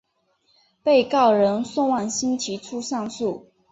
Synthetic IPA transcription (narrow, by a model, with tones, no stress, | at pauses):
pe˥˧ɪkɑ˥˩ʊɻə˧˥nsʊ˥˧ŋwɑ˥˩ŋɕi˥nt͡ɕʰi˧˥ʈ͡ʂʰu˥ʂɑ˥˧ŋsu˥˩